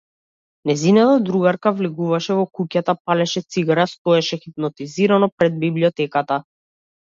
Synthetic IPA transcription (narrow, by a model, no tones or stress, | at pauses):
nɛzinat̪ad̪ɾuɡaɾkavliɡuvaʃɛvɔkucat̪apalɛʃɛt̪siɡaɾast̪oɛʃɛxip̚nɔt̪iziɾanɔpɾɛd̪̚bibliɔt̪ɛkat̪a